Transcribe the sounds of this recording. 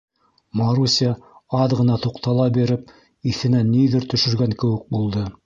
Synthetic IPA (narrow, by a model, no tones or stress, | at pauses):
mɑɾusʲɑɑðʁɤ̆nɑt̪uqt̪ɑlˠɑbiɾɘp̚ | iθɘ̆nænːiðɘɾt̪ɵ̆ʃɵ̆ɾɡæŋkɘ̆wɘk̚bulˠd̪ɤ